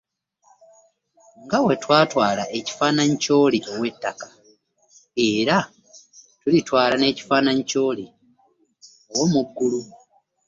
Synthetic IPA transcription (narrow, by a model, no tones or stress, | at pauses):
ŋɡawe̞twaːtwaːlaʔeci̥faːnaɲico̞ːliʔo̞we̞tːakḁ | e̞ɾa | tulitwaːlane̞ːci̥faːnaɲico̞ːli | o̞wo̞muɡːulu